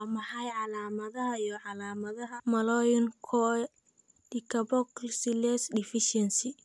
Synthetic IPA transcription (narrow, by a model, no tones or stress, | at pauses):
ɐmɐħajʕɑlaːmɐðɐɦɐijɔʕɑlaːmɐðɐɦɐmɐlɔjʊŋkʰɔɛ | dɪkʰɐbɔklsɪlɛsdɪfɪʃɛnsɪ